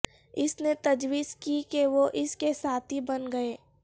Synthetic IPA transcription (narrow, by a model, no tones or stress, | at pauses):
ɪsnet̪ɐd͡ʒwiːzkikeʋoʔɪskesaːt̪ʰɦibɐnɡɐeː